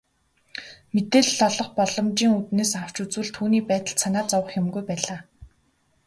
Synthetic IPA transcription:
met̪eːɮːɔɮɞ̆χpɔɮɞ̆mt͡ɕiːŋut̪neːsaw̥t͡ɕut͡swɘ̆ɮt̪ʰuːniːpæːt̪ə̆ɮsʰanaːt͡sɔwə̆χjemɡujpæːɮaː

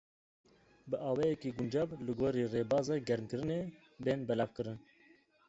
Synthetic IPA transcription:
bɨʔɑːwɛːjɛkiːɡʊnd͡ʒɑːvlɨɡoːɾiːreːbɑːzɑːɡɛɾmkɨɾɨneː | beːnbɛlɑːvkɨɾɨn

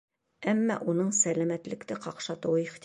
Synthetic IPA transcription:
æmːɑ̰ʔunɤɴsælæmæt̪lɘ̆kt̪ɘqɑqʃɑt̪ɤ̆wɤiχt̪

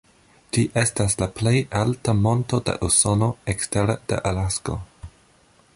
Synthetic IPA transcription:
d͡ʒiʔe̞staslaple̞jaltamo̞nto̞dḛʔuso̞no̞eksteɾad̥ḛʔalasko̞̰

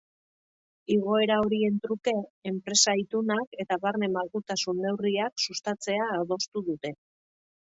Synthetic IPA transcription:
iɣo̞e̞ɾao̞ɾie̞nt̪ɾuke̞ːmpɾe̞sait̪unake̞t̪aβaɾne̞malɣut̪asunːe̞wriaksust̪at͡se̞aːðo̞st̪uðut̪e̞

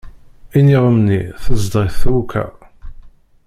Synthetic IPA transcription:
iniʁəmnḭθəzd̪ʁiθukʰæ̰

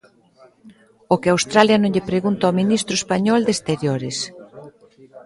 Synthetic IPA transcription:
ʊkɪawst̪ɾaljɐnõŋʎɪpɾeɣunt̪aɔminist̪ɾʊespaɲɔld̪est̪eɾjoɾɪs

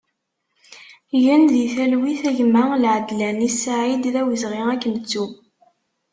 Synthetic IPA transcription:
jænðiθælwiθæʝmalʕəd̪lænisaʕid̪ðæwizʁiækːənt͡sːu

